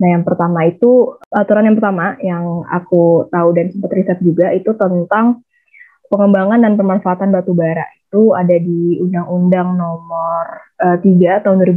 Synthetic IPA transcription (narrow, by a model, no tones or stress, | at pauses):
najaŋpərt̪amait̪uat̪uɾanjaŋpərt̪amajaŋa̰kut̪audansəmpat̪risat̪̚d͡ʒuɡaʔit̪ut̪ənt̪aŋ | pəŋəmbaŋandanpərmanfaːt̪anbat̪ubaɾa̰ʔit̪uadadiundaŋundaŋnɔmərət̪iɡat̪aʊnduwaɾib